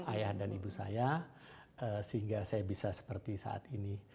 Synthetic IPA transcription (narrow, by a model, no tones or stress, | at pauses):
ajahdanibusa̰ja | əsəɦiŋɡasajabisasə̥pərt̪isa̰a̰t̪ini